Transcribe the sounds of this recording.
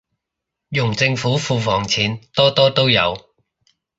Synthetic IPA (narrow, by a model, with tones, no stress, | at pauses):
jʊ˨˩ŋt͡sɪ˧ŋfuː˨˥fuː˧fɔː˨˩ŋt͡sʰiː˨˩nt̪ɔː˥t̪ɔː˥t̪o˥wjɐ̰˨˧w